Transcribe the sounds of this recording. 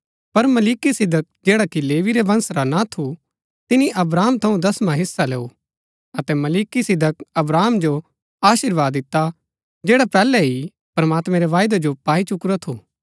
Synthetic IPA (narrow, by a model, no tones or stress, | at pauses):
pɐɾmɐliːkisɪd̪ʱək̚d͡ʒeːɽakileːʋiɾeʋɐ̃nsɾanat̪ʰu | t̪ɪniʔɐbɾaːmt̪ʰɐũd̪ɐsmãɦɪsːaleːu | ɐt̪ɛmɐliːkisɪd̪ʱəkɐbɾaːmd͡ʒo | aːʃiɾʋaːd̪ːɪt̪ːa | d͡ʒeːɽapɛːlɛɦi | pɾɐmaːt̪mɛ̃ɾeʋaːjd̪ed͡ʒopaːit͡ʃʊkɾot̪ʰuː